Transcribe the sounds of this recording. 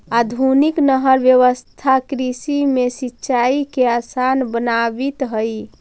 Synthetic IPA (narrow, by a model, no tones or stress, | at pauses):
ad̪ʱuniknəɦəɾbjəʋəst̪ʰakɾisimesitːʃaikeasanbənabit̪ɦəj